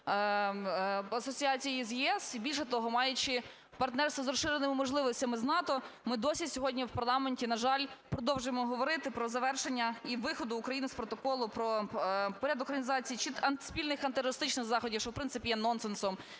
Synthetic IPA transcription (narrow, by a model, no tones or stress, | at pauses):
ɐsɔt͡sʲiɑt͡sʲijizjɛɛsibʲilʲʃɛt̪ɔɦɔmɑjʊt͡ʃɪ | pɐrt̪nɛrst̪ɐzɾɔʃɪɾɪnɪmɪmɔʒlˠɪʋɔsʲtʲɐmɪznɑt̪ɔmɪd̪ɔsʲisʲɔɦɔdʲnʲiwpɐrlˠɑmenʲtʲinɐʒɑlʲpɾɔd̪ɔwʒʊjemɔɦɔʋɔɾɪt̪ɪpɾɔzɐʋɛrʃenʲːɐiʋɪxɔd̪ʊːkɾɐjinɪspɾɔt̪ɔkɔlˠʊpɾɔpɔɾʲad̪ʊkɾɐnʲizɑt͡sʲijit͡ʃid̪ɐn̥spʲilʲnɪxɐnt̪eɾɔɾɪst̪ɪt͡ʃnɪxzɑxɔdʲikʃt͡ʃɔwpɾɪnɪpʲijɛnɔnsensɔm